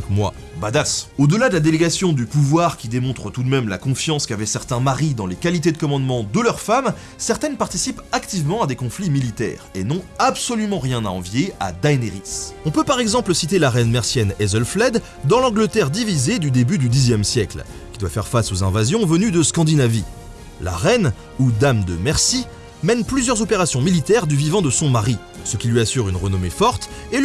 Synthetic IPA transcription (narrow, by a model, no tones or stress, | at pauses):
kmwa̰ | bad̪asod̪əlad̪əlad̪eleɡasjɔ̃d̪ypuvwaʁkʲid̪emɔ̃t̪χət̪ud̪mɛmla̰kɔ̃fjɑ̃skavɛsɛʁt̪ɛ̃maʁid̪ɑ̃lekalit̪ed̪əkɔmɑ̃d̪mɑ̃d̪əlœʁfam | sɛʁt̪ɛnpaʁt̪isipakt̪ivmɑ̃ad̪ekɔ̃flimilit̪ɛ̰ːʁenɔ̃absɔlymɑ̃ʁjɛ̃naɑ̃vjea̰d̪ajneʁisɔ̃pøpaʁɛɡzɑ̃pləsit̪elaʁɛnmɛʁsjɛnɛzɔlflɛd̪ː | ɑ̃lɑ̃ɡlət̪ɛʁd̪ivized̪yd̪ebyd̪yd̪izjɛmsjɛkl | kʲid̪wafɛʁfasozɛ̃vazjɔ̃vənyd̪əskɑ̃d̪inavi | la̰ʁɛn | ud̪amd̪əmɛʁsi | mɛnplyzjœʁzɔpeʁasjɔ̃milit̪ɛʁd̪yvivɑ̃d̪əsɔ̃maʁi | səkʲilɥiasyʁynʁənɔmefɔʁt̪e